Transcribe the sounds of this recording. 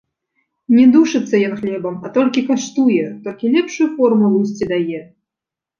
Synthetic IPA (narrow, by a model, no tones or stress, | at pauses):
nʲɛd̪uʂɨt̪sːɐjɔnxlʲɛbɐmɐt̪ɔlʲkʲikaʂt̪ujɛt̪ɔlʲkʲilʲɛpʂujufɔrmulˠus̬ʲt͡sʲid̪ajɛ